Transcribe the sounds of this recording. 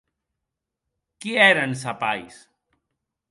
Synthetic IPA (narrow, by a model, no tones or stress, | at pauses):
kiɛɾansapajs